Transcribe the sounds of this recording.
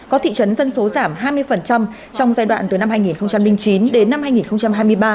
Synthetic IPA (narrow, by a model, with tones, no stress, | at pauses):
kɔ˨˦t̪ʰḭ˧˨t͡ɕə˨˦nzə˧nso˨˦zaː˧˩mɦaː˧jmɨ˧əjfə˨˩nt͡ɕa˧m | t͡ɕɔ˧wŋ͡mzaː˧jɗwa̰ː˧˨t̪ɨ˨˩jna˧mhaː˧jŋi˨˩nxə˧wŋ͡mt͡ɕa˧mlï˧ŋ̟t͡ɕi˨˦nɗe˨˦nːa˧mhaː˧jŋi˨˩nxə˧wŋ͡mt͡ɕa˧mɦaː˧jmɨ˧əjɓaː˧˩